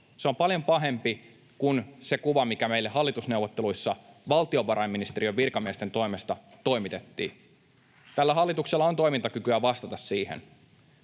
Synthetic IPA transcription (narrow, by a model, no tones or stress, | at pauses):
seo̞mpɑljompɑɦe̞mpi | kunse̞kuʋɑmikæme̞ilːehɑlːit̪usnewʋːot̪ːeluisːɑʋɑlt̪io̞ʋɑɾɑimːinist̪eɾiøʋʋirkɑmiest̪e̞nt̪o̞ime̞st̪ɑt̪o̞imit̪et̪ːḭː | t̪ælːæɦɑlːit̪ukselːɑont̪o̞imint̪ɑkykyæʋɑst̪ɑt̪ɑssiːhḛn